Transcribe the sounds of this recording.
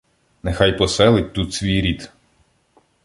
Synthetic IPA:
nexajpɔsɛlˠɪt̚ʲt̪ut̪sʲʋʲijɾʲit̪

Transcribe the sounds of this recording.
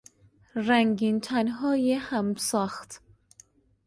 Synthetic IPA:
ɾæŋɡint̪ʰænɦɒːjehæmsɒːxt̪

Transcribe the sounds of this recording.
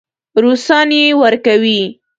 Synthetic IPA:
ɾusɑnjewəɾkawi

